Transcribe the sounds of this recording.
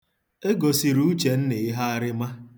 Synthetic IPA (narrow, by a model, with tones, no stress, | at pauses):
e˦ɡo˨si˨ɾu˦t͡ʃe˨n̩˦ne˨ɪ˦ɦa˦a˦ɾɪ˦ma˦